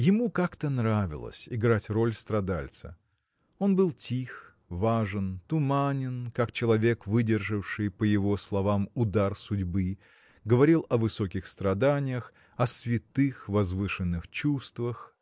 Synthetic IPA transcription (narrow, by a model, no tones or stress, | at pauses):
jɪmukakt̪ənɾavʲɪ̰lˠə̰sʲɪɡɾatʲro̞lʲst̪ɾɐd̪a̰lʲt̪sə̰ | o̞nbɨlˠtʲʰix | vaʐɨnt̪ʊmanʲɪnkakt͡ɕɪlˠɐvʲe̞kvɨdʲɪrʐɨfʂɨjpəjɪvo̞slˠɐvamʊd̪arsʊdʲbɨ | ɡəvɐɾʲilˠɐvɨso̞kʲɪxst̪ɾɐd̪anʲɪjəx | ɐsvʲɪt̪ɨxvɐzvɨʂɨnːɨxt͡ɕust̪vəx